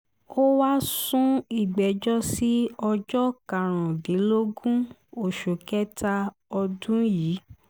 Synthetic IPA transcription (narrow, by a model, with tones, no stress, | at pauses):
o˦wa˦sũ˦i˨ɡ͡bɛ˨d͡ʒɔ˦si˦ɔ˧d͡ʒɔ˦ka˨ɾ̃ã˨de˨˦lo˦ɡũ˦ | o˦˨ʃo˨kɛ˦ta˦ | ɔ˧dũ˦jiː˨˦